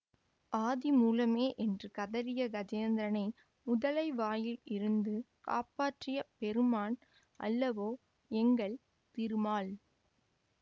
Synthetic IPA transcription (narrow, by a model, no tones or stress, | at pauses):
ʔaːðimuːlɐmeːʔɛndrɯkɐðɐɾɪjɐɡɐd͡ʒeːnd̪ɾɐnɐɪ | mʊðɐlɐɪʋaːjɪlɪɾɯnd̪ɯka̰ːpaːʈrɪjɐpɛɾɯmaːn | ʔɐ̰lːɐʋoː | ɛŋɡɐɭ | t̪ɪɾɯmaːl